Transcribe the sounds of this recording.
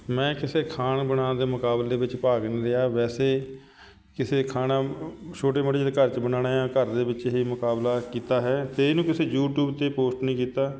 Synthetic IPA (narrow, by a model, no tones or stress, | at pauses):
mɛ̃ːkɪseːkʰaːnbənãːd̪eːmʊkaːbleːbɪt͡ʃpaːknĩːɾɪjaːʋɛːseː | kɪseːkʰaːnãːt͡ʃʰoːʈ̬eːmoːʈeːd͡ʒd̪ekəɾt͡ʃbənaːnaːãːkəɾd̪eːbɪt͡ʃɦiːmʊkaːblaːkiːt̪aːɦɛːt̪eːnũːkɪseːjuːʈjuːbt̪eːpoːsʈnĩːkiːt̪aː